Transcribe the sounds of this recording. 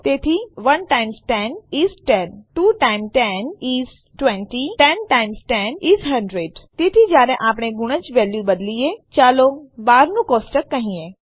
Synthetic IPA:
t̪eːt̪ʰiʋɐnʈaːɪmsʈɛniːsʈɛnʈuːʈaːɪmʈɛniːz | ʈʋɛ̃ɳʈiʈɛnʈaːɪmsʈɛniːzɦɐ̃ɳɖɾeːɖt̪eːt̪ʰid͡ʒaːɾẽʔaːpɽ̃eɡʊɽ̃ə̃t͡ʃʋɛːljubɐd̪liet͡ʃaːlobaːɾnũkɔːsʈəkːɐɦĩẽː

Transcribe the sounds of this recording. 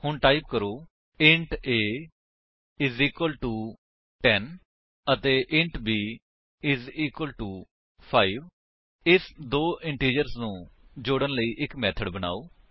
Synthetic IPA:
hʊɳʈaːip̚kəɾoː | ɪ̃ɳʈeː | ɪziːkwəlʈuː | ʈʈɛn | ət̪eːʔɪ̃ɳʈbiː | ɪziːkwəlʈuː | pʰaːiːʋ | ɪsd̪oːʔɪɳʈiːd͡ʒəɾsnũːd͡ʒoːɽənləiːʔɪkmɛːt̪ʰəɖbəna̰ːoː

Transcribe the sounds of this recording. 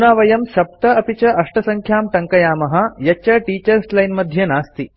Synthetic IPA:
unaːʋɐjɐmʃɐp̚t̪ɐɐpit͡ʃɐʔɐʂʈɐsɐŋkʰjaːmʈ̪ɐŋkɐjaːmɐɦɐ̆jɐt͡ʃɐʈiːt͡ʃɐɾslɐjnmɐd̪ʱjɐnaːst̪i

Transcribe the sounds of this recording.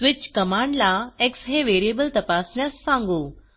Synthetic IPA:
tʋɪt͡ɕkəmaɳɖlaeksɦeʋeɾijebəlt̪əpasnjasːãŋɡu

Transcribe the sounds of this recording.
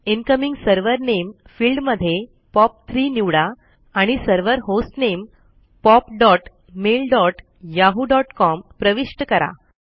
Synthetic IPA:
inkəmiŋɡsəɾʋəɾnemfiːlɖməd̪ʱːje | pɔp̚t̪ʰɾiniʋɽa | aɽ̃isəɾʋəɾɦosʈnem | pɔpɖɔʈ | melɖɔʈ | jaɦuɖɔʈkɔmpɾəʋiʂʈəkəɾa̰

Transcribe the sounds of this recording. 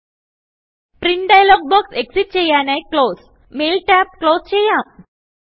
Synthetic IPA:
pɾiɳʈɖajlɔɡ̚bɔkseksiʈ̚t͡ɕejanajklos | melʈæp̚klost͡ɕejã

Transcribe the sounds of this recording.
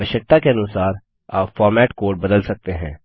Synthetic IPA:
əʃək̚t̪akeɐnʊsaːɾ | aːpfɔːɾmɛːʈkoːɾʈ̚bɐd̪əlsɐk̚t̪eɦɛ̰̃ː

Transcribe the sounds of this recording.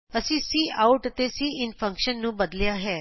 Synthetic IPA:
əsĩːsiːʔaːuʈət̪esiːɪnpʰə̃ŋkʃənːũːbəd̪ljaɦɛː

